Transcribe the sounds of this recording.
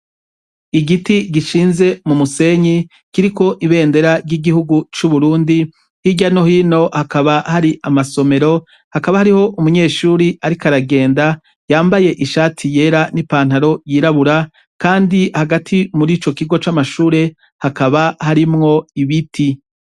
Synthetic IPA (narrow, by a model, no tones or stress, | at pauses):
iɡitiɡiʃiːnze̞mumuse̞ɲi | kiɾiko̞ʔiβe̞ːnde̞ɾaɾɟiɡihuɡut͡ʃuβuɾuːndi | hiɟano̞hiːno̞hakaβahaɾiʔamaso̞me̞ɾo̞ | hakaβahaɾiho̞ʔumuɲe̞ːʃuːɾiʔaɾikaɾaɡe̞ːnda | jaːmbaje̞ʔiʃaːtʰije̞ːɾanipaːn̥haɾo̞jiːɾaβuɾa | kaːndihaɡatʰimuɾiːt͡ʃo̞kiɡo̞t͡ʃamaʃuːɾe̞ | hakaβahaɾimŋo̞iβitʰi